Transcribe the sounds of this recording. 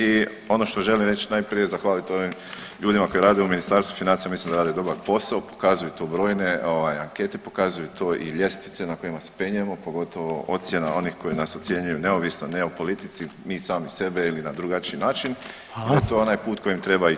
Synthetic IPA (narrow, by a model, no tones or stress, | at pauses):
i | o̞no̞ʃt̪o̞ʒe̞limɾe̞t͡ʃinajpɾije̞zaxʋaːlit̪o̞ʋim | ʎuːd̪imako̞jeɾaːd̪euminist̪aɾst̪ʋufinant̪ijamislimd̪aɾaːd̪ed̪o̞baɾpo̞saopo̥kazujut̪oːbɾo̞ːjneo̞ʋajaŋke̞t̪epo̞kazujut̪oːʔḭʎe̞st̪ʋit̪senako̞jimase̥pe̞ɲujemo̞po̞ɡo̞t̪o̞ʋoʔot̪sje̞na̰ʔo̞nixko̞jinaso̞t̪sje̞ɲujuneoʋisnoneopo̞lit̪it̪simiːsaːmise̞be̞ilinad̪ɾuɡat͡ʃiːnaːt͡ʃin | iat̪oonajpuːt̪kʰo̞jimt̪ɾe̞ba